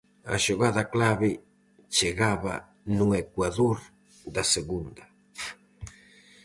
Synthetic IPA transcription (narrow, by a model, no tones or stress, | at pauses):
a̰ʃoɣaðaklaβɪ | t͡ʃeɣaβa̰ | nũekwaðoɾ | d̪aseɣund̪a